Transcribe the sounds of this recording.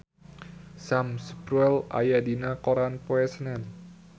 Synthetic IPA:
samsəbɾuɛla̰jadinakoɾanpoɛsnɛn

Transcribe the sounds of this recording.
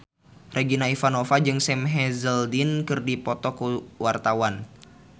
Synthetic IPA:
rʔeɡinaifanofad͡ʒɨŋsɛmɦɛzəldinkɨrdipɔt̪ɔkuwart̪awan

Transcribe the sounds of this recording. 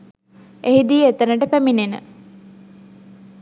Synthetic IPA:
ʔeɦid̪iːet̪ənəʈəpæminenə̰

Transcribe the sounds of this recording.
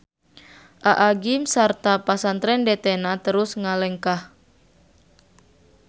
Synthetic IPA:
ʔaʔaɡimsart̪apasant̪ɾɛndɛt̪ɛnat̪əɾusŋalɛŋkah

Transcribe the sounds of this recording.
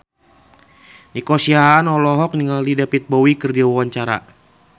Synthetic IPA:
nikɔsiaːnɔlɔɦɔk̚niŋallidapit̪̚bɔwikɨrdiawawaɲt͡ʃaɾa̰

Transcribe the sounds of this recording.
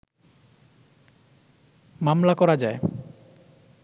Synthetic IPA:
mamlakɔɾad͡ʑae

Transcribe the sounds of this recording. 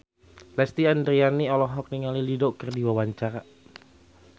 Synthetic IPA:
lɛst̪iandɾianiɔlɔɦɔk̚niŋalilidɔkərdiwawaɲt͡ʃaɾa

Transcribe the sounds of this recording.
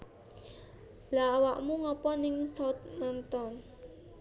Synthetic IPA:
laːwaʔmuŋɔpɔnɪŋsɔt̪̚nant̪ɔn

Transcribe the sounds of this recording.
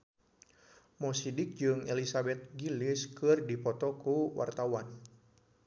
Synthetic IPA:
mɔsidɪk̚d͡ʒɨŋɛlisabɛt̪̚ɡiliskɨrdipɔt̪ɔkuwa̰rt̪awan

